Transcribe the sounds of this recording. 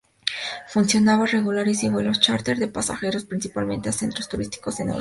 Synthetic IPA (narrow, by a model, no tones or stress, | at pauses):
funsjo̞naβare̞ɣulaɾisiβwelost͡ʃaɾt̪e̞ɾðe̞pasa̰xe̞ɾo̞spɾinsipalmẽ̞nt̪ease̞nt̪ɾost̪uɾist̪i̥ko̞zenḛ